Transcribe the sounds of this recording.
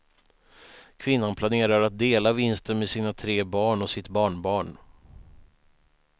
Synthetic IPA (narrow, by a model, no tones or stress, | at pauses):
kʰvɪnːanpʰlaneːɾaɾat̪̚d̪eːlavɪnst̪ənmɛsiːnat̪ʰɾeːbɑːɳɔsɪt̪bɑːɳbɑːɳ